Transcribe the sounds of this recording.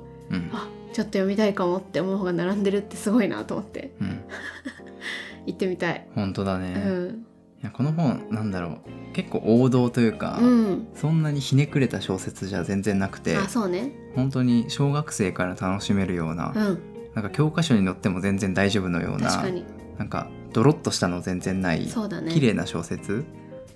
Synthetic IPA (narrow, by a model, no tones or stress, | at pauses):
ɯ̟̃ɴa | t͡ɕo̞t̪ːojomʲit̪aikamot̪ːe̞monoɦoːɡanaɾãnd̪e̞ɾɯ̟t̪ːe̞sɨɡo̞ina̰t̪omo̞t̪ːe̞̰ɯ̟̃ɴ | it̪ːe̞mʲit̪aḭhõ̞nt̪o̞d̪ane̞ɯ̟̃ɴ | jako̞noɦõ̞nnãnd̪aɾo̞̰ːke̞kːo̞̰ːʔoːd̪o̞ːt̪o̞jɯ̟ːka̰ɯ̟̃sõ̞nːaɲ̟içine̞kɯ̟ɾe̞t̪aɕo̞ːse̞t͡sɨʑazẽ̞nd͡zẽ̞nːakɯ̟̥t̪e̞̰aso̞ːne | hõ̞nt̪̬o̞ɲ̟iɕo̞ːɡakɯ̟̥se̞ːkaɾat̪ano̞ɕime̞ɾɯ̟jo̞ːna̰ɯ̟̃ | nãŋkakʲo̞ːkaɕo̞ɲ̟ino̞t̪ːe̞mo̞zẽ̞nd͡zẽ̞nd̪aiʑo̞ːbɯ̟no̞̰jo̰ːna̰aɲi | nãŋka̰ | d̪̥o̞ɾo̞t̪ːo̞ɕi̥t̪anozẽ̞nd͡zẽ̞nːaḭsoːd̪ankʲiɾe̞ːnaɕo̞̰ːse̞t͡sɨ